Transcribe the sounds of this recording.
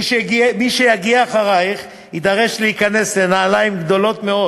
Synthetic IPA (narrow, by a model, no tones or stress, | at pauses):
ʃɡmiʃejaɡiaːχaʁajiχ | id̪aʁe̞ʃlehikane̞slenaːlajimɡd̪o̞lo̞t̪meo̞